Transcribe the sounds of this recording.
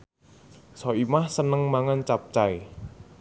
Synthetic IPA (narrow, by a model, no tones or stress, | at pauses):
sɔimahsənəŋmaŋant͡ʃap̚t͡ʃaj